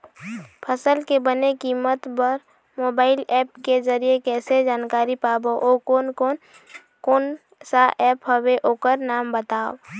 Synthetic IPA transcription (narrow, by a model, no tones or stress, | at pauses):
pʰəsəlkebənekiːmət̪bəɾ | moːbaːɪlɛːp̚kezəɾijekɛːsed͡ʒaːnkaːɾipaːboʔoko | koːn | saʔɛːpɦəbeʔoːkəɾnaːmbət̪aːo̰